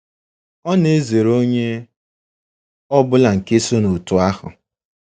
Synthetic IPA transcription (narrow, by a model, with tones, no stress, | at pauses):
ɔ˦ne˦ze˨ɾo˦ɲe˦ | ɔ˦bʊ˦la˨ŋ̩˨ke˦so˦no˨tʊ˨a˦hʊ̰˨